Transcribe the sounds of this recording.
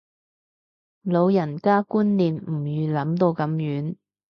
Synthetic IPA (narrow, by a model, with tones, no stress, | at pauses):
lo˨˧wjɐ˨˩nkaː˥kuː˥nliː˨˩mm̩˨˩jyː˨lɐ˨˥mt̪o˧wkɐ˨˥mjyː˨˥n